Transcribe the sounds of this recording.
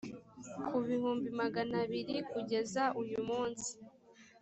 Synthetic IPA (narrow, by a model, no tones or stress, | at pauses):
kʰuβihuːmbimaɡanaβiɾikuɟe̞zaʔujumuːnsi̥